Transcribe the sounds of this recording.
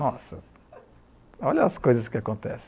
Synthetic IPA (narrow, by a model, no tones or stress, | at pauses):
nɔsɐ | ɔʎɐɐskojzɐskɪakõnt̪ɛsẽ̥